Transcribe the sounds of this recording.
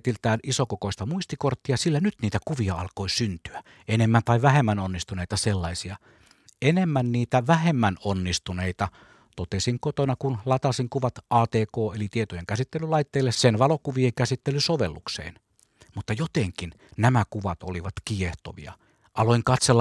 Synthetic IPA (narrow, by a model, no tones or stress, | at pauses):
t̪ilt̪æːnisokokoist̪ɑmuist̪ikort̪ːiɑsilːænyt̪niːt̪ækuʋiɑɑlkoisynt̪yæ | enemːænt̪ɑiʋæhemːænonːist̪uneit̪ɑselːɑisiɑ | enemːænniːt̪æʋæhemːænonːist̪uneit̪ɑ | t̪ot̪esiŋkot̪onɑkunlɑt̪ɑsiŋkuʋɑt̪ʔɑːt̪eːkoːelit̪iet̪ojeŋkæsit̪ːelːˑylɑit̪ːeːlːessenʋɑlokuʋieŋkæsit̪ːelysoʋelːuksḛːn | mut̪ːɑjot̪eŋkin | næmækuʋɑt̪o̰liʋɑt̪kieht̪o̰ʋḭɑ̰ | ʔɑloiŋkɑt̪selː